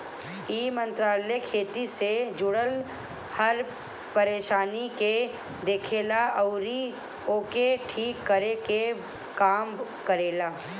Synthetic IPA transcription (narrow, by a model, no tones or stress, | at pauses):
iːmə̃nt̪ɾaːlekʰeːt̪ised͡ʒʊɽəl | hɐɾ | pəɾeːʃaːnike | d̪eːkʰeːlaɐʊɾi | oːkeʈʰiːkːəɾeke | kaːmkəɾeːlaː